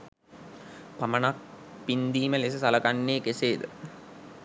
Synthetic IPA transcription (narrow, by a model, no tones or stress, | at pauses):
pamənak̚pind̪iːməles̬əsaləkanːeːkeseːd̪ə̰